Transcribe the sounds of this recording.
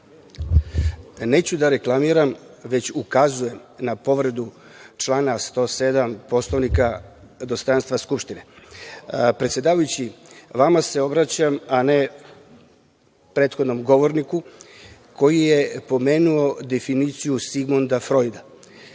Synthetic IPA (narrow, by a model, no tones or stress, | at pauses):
ne̞ːt͡ɕud̪aɾe̞klˠamiːɾam | ʋe̞t͡ɕukazuje̞mnapo̞ʋɾed̪u | t͡ʃlˠaːnast̪o̞ːse̞d̪ampo̞slˠoʋnika | d̪o̞st̪ɾanst̪ʋaskupʃt̪ine | pɾet̪sʲje̞d̪aːʋajut͡ɕiʋamase̞o̞bɾat͡ɕamane̞ | pɾe̞ːt̪xod̪no̞mɡo̞ʋo̞ɾniku | ko̞jijepo̞me̞ːnuo̞d̪e̞finit̪sijusiɡmond̪afɾo̞jd̪a